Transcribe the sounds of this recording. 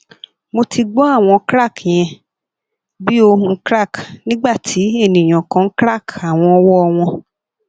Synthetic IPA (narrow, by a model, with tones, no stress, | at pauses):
mo˧ti˧ɡ͡bɔ˦a˦˨w̃ɔ̃˧kɾa˦˨kj̃ɛ̃˧ | bi˦o˧hũ˧˦kɾa˦˨knĩ˦ɡ͡ba˦˨ti˨˦e˦˨nĩ˨j̃ã˨kã˧n̩˦kɾa˦˨ka˨w̃ɔ̃˧ɔ˧wɔ˦ɔ˧w̃ɔ̃˧